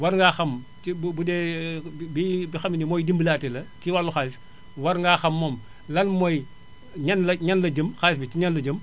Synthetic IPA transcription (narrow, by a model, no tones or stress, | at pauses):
wɐɾŋɡaxɐm | ibbudɛ | bibixɐminimojdimbəlatelɐtiwalːuxals | wɐɾŋɡaːxɐmːom | lɐnmoj | ɲɐnlɐɲɐnlɐd͡ʒəmxals̬bitiɲɐnlɐd͡ʒəm